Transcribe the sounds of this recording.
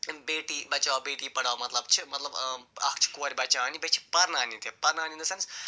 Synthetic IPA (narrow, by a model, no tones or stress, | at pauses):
beːʈiːbɐt͡ʃaːbeːʈiːpɐɽaːmɐt̪lɐbt͡ʃʰimɐt̪lɐbɐkʰt͡ʃʰi̥koɐɾʲbɐt͡ʃaːnibet͡ʃʰi̥pɐɾnaːnit̪epɐɾnaːnind̪ɐsɐns